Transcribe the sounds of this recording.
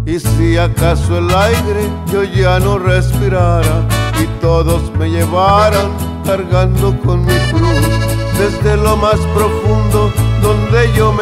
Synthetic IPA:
isiakasoelajɣɾeʝoʝanorespiɾaɾait̪oðosmeʎeβaɾaŋ | kaɾɣand̪okonmiflusd̪ezd̪elomaspɾofund̪od̪ond̪eʝom

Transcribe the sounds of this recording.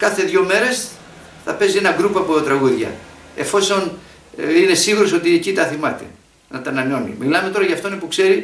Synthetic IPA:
kɐθe̞ðʝo̞me̞ɾe̞s | θɐpe̞zie̞nɐɡɾupɐpot̪ɾɐɣuðʝɐ̰ | e̞̰fo̞so̞n | ine̞siɣuɾo̞so̞t̪iecit̪ɐθimɐt̪e̞̰ | nɐt̪ɐnɐneo̞nḭmilɐme̞t̪o̞ɾɐʝɐft̪onepukse̞ɾi

